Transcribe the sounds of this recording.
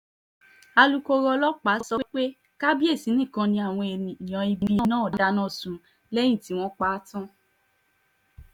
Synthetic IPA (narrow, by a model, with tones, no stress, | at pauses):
a˧lu˦ko˦˧ɾɔ˧lɔ˦k͡pa˨˦˧sɔ˧˦k͡pe˦ | ka˦bi˦e˦˨si˨˦nĩ˦˨kã˧nĩ˧˦a˦˨w̃ɔ̃˧e˨nĩ˨nĩ˨ɔ̃˨i˧bi˨ĩ˧˨˦nãː˦˨˦da˧nã˦˨sũ˧ | lɛ˦j̃ĩ˦˨ti˨˦w̃ɔ̃˦k͡pa˦tã˦